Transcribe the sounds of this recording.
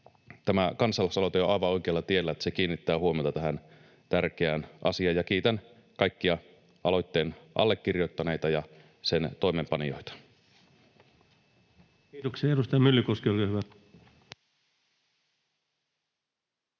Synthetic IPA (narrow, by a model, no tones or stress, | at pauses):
t̪æmækɑnsɑlːɑˑsɑlot̪ejoɑjʋɑo̞jkeɑlːɑt̪ie̞lːæet̪æ̥sekiːnːit̪ːæːhuomiot̪ɑt̪æɦæn | t̪ærk̟eænʔɑ̰siɑjɑkiːt̪æn | kɑjkːiɑ | ʔɑlo̞jt̪ːeːnʔɑ̰lːe̞kːirjo̞t̪ːɑne̞jt̪ɑjɑ | se̞nt̪o̞ime̞mpɑnijo̞̰jt̪ɑ̥ | iːt̪oksieɑeɾust̪ɑjɑmylːykoskiolkiohyʋæ